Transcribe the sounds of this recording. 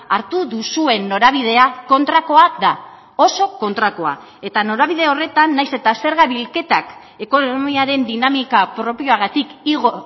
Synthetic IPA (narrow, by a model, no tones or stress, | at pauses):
aɾt̪uðusue̞nːo̞ɾaβ̞iðe̞ako̞nt̪ɾako̞aða | o̞so̞ko̞nt̪ɾako̞a̰ | e̞t̪ano̞ɾaβið̞e̞o̞re̞t̪anːajse̞t̪ase̞ɾɣaβilke̞t̪ak | e̞ko̞nomiaɾe̞nd̪inamikapɾo̞pio̞aɣ̞at̪ikiɣo